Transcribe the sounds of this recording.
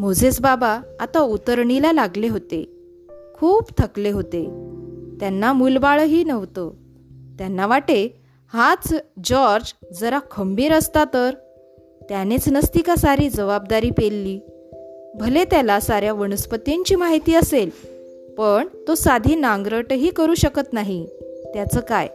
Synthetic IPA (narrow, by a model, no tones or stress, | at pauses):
mod͡zʱet͡sbabaːt̪aut̪əɾɳilalaɡleɦot̪ḛ | kʰuːpt̪ʰəkleɦot̪et̪janːamulbaɭəɦiːnəʋt̪o | t̪janːaʋaʈe | hat͡sd͡ʑɔɾd͡ʑd͡zəɾakʰəmbiːɾəst̪at̪əɾ | t̪janet͡snəst̪ikasaɾiːd͡zəʋab̚d̪aɾiːpelːiː | bʱəlet̪jalasaɾjaʋəɳ̃əspət̪iɲt͡ɕiːmaɦit̪iːəsel | pəɳt̪osad̪ʱiːnãŋɡɾəʈɦiːkəɾuːɕəkət̪naɦit̪jat͡səːkaj